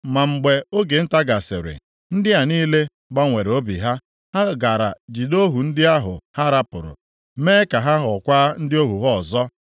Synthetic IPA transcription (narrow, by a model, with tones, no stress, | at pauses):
ma˨ŋ͡m̩˨ɡ͡be˨o˦ɡe˨n̩˦ta˦ɡa˨sḛ˨ɾḛ˨ | n̩˦dɪ˦ɦa˨niː˦le˦ | ɡ͡ba˦ŋʷe˨ɾo˦bḭ˨ɦa˦ | ha˦ɡa˨ɾa̰˨d͡ʒi˨do˦ɦu˨n̩˦dɪ˦a˦ɦʊ̰˨ha˦ɾa˦pʊ̰˨ɾʊ̰˨ | meː˦ka˨ɦa˦ɦɔ˨kʷaː˦n̩˦dɪ˦o˦ɦu˨ɦɔ˦˨zɔ˦